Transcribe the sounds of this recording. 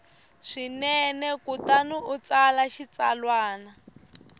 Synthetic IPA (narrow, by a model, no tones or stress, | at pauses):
ʂinɛnɛkutanuut͡salaʃit͡salwaːna